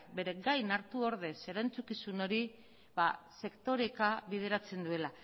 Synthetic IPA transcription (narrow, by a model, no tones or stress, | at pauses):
be̞ɾe̞ɡajnaɾt̪uo̞ɾð̞e̞se̞ɾant͡sukisuno̞ɾi | base̞kt̪o̞ɾekaβið̞e̞ɾat͡se̞nd̪ue̞la